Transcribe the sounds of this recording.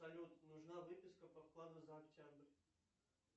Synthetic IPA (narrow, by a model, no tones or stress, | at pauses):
ɐlʲut̪nʊʐnavɨpʲɪskəpɐfklˠad̪ʊzəɐktʲabrʲ